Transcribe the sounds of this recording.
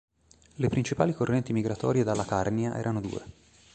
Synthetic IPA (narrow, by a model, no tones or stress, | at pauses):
lepɾint͡ʃipaːlikorːɛnt̪imiɡɾat̪ɔ̰ːɾjed̪alːakarniaʔɛ̰ːɾʔanod̪ṵːḛ